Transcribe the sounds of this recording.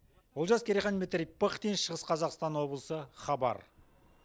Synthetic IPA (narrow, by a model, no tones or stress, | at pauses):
wolˠʒɑskʲʰeɾiχɑnmɪt̪ɾʲik̚pəχd̪ejnʃəʁəsqʰɑzɑqst̪ɑnwo̞blˠəsəχɑbɑ̰ɾ